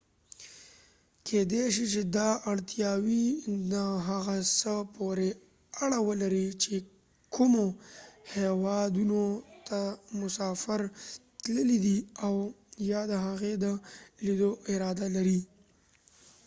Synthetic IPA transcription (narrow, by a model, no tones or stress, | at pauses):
kʰed̪eʃit͡ʃed̪ɑʔaɽt̪jɑwid̪əɦaɣasəpoɾe | aɽawəlaɾit͡ʃe | kʰumohewɑd̪unot̪amʊsɑfɪɾt̪ləlid̪iaw | jɑd̪əɦaɣed̪əlid̪oʔɪɾɑd̪alaɾi